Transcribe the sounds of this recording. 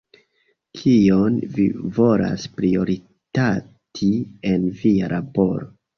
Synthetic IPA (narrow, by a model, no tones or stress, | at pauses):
kʰionvivo̞la̰spɾio̞ɾi | ta | tʰie̞nviaɾʔabo̞ɾo